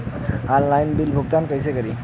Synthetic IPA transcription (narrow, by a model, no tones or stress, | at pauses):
alːajnbilbʱuɡ̚t̪ankajsɛkaɹi